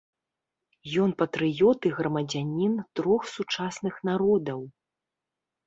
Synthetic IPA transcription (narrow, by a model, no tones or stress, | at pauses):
jɔnpɐt̪ɾɨjɔt̪ɨɣrɐmɐd͡zʲanʲint̪ɾɔxsut͡ʂasnɨxnaɾɔd̪ɐw